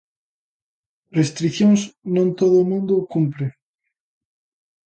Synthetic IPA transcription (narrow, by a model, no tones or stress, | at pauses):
rest̪ɾiθjõŋsnõnt̪oðʊmũnd̪okumpɾe